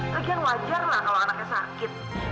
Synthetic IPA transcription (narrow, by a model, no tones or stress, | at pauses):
kəɡianwad͡ʒarlahkalowanak̚ɲasa̰kɪt̪̚